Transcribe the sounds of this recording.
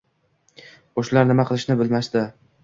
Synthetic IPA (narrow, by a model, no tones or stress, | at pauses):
oʃlaɾnɪmaqʰɨlˠɪʃnɪbɪlmaʃt̪ɪ